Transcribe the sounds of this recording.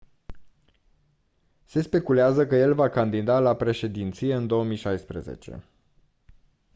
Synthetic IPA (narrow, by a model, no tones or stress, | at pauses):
se̞spe̞kuleazəkəje̞lvakand̪id̪alapɾe̞ʃe̞d̪int̪sije̞ɨnd̪o̞omiʃajspɾə̰zḛt͡ʃe̞̰